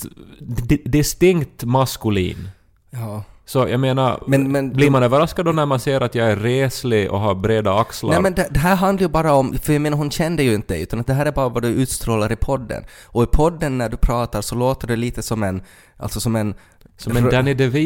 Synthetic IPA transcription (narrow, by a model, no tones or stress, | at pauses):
d̪ɪst̪ɪŋkt̪maskʉlḭːn | jɑːsɔjʔa̰ɡmeːnaɾmɛnmɛnbliːɾmanøːvəɾaskad̪ɔnæɾmanseːɾat̪jɑɡæːeːslɪʔɔ̰ɦɑɾbɾeːd̪aakslaɛmɛnd̪ɛd̪ɛɦæːɾɦand̪laɾjɵbɑːɾaɔmfœɾjameːnaɾɦhʊnɕɛnd̪əjɵɪnt̪əd̪ɛʉ̟ːt̪anat̪̚d̪ɛɦæːɾæɾbɑːɾavaɖɵʉ̟ːt̪st̪ɾoːlaɾɪpʰɔd̪ːə̰nɔɪpʰɔd̪ːənːæɖɵpʰɾɑːt̪aɾsɔloːt̪əɖɛliːt̪əsɔmɛn | ʔa̰lt̪sɔsɔmɛn | sɔmɛd̪anɪd̪ɛvi